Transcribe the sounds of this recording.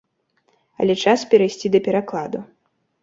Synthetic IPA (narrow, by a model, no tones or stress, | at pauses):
ɐ̰lʲɛt͡ʂaspʲɛɾajsʲt͡sʲid̪ɐpʲɛɾaklˠad̪u